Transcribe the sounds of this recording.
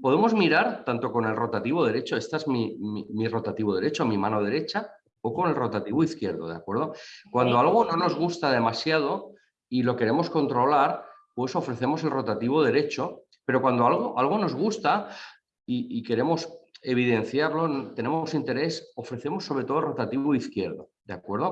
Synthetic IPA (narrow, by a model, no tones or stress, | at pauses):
poðemo̞zmiɾaɾt̪ant̪o̞ko̞ne̞lro̞t̪at̪iβoð̞e̞ɾe̞t͡ʃoest̪aezmimimiro̞t̪at̪iβ̞oðe̞ɾe̞t͡ʃomimano̞ð̞e̞ɾe̞t͡ʃa | oko̞ne̞lro̞t̪at̪iβoiθkje̞ɾð̞o̰ðea̰kwe̞ɾð̞o̞kwand̪o̞alɣ̞o̞no̞no̞zɣ̞ust̪að̞e̞masjað̞o̞ | ilo̞ke̞ɾe̞mo̞sko̞nt̪ɾo̞laɾ | pwe̞so̞fɾe̞θe̞mo̞selro̞t̪at̪iβoðe̞ɾe̞t͡ʃo̞ | pe̞ɾo̞kwand̪oalɣ̞oʔalɣ̞o̞no̞zɣ̞ust̪a | iike̞ɾe̞mo̞se̞β̞iðe̞n̟θjaɾlo̞nt̪e̞ne̞mosint̪e̞ɾe̞so̞fɾe̞θe̞mo̞sːoβɾet̪olro̞t̪at̪iββoiθkjeɾðo | d̪̥eakwe̞ɾð̞o